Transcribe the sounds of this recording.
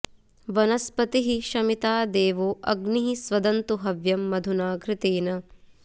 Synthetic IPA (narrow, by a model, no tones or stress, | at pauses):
ʋɐnɐspɐt̪iɦiʃɐmit̪aːd̪eːʋoːʔɐɡniɦisʋɐd̪ɐnt̪uɦɐʋjɐmːɐd̪ʱunaːɡɾɪt̪eːnɐ